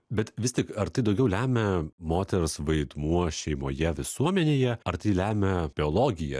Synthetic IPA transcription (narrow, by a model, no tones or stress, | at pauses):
bʲɛt̪ʋʲɪst̪ʲɪkɐɾt̪ɐɪd̪ɒʊɡʲɛʊlʲæːmʲɛmoːt̪ʲɛɾsʋɐɪd̪muɔʃʲɛɪmoːjɛʋʲɪsuɔmʲɛnʲeːjɛɐɾt̪ɐɪlʲæːmʲɛb̥ʲɪoːlˠoːɡʲɪjɛ̰